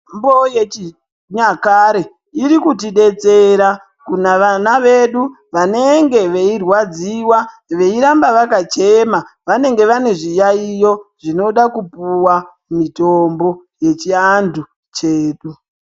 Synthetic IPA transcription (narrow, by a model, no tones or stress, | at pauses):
mbojet͡ʃi | ɲakaɾe̞ | iɾikutiɗe̞t͡se̞ɾa | kunaʋanaʋe̞ɗu | ʋane̞ŋɡe̞ʋe̞irwad͡ziwa | ʋe̞iɾambaʋakat͡ʃemaʋane̞ŋɡe̞ʋane̞ʐijaijoʐ̥ino̞ɗakupuwa | mitombo̞je̞t͡ʃiandʱu | t͡ʃe̞ːɗu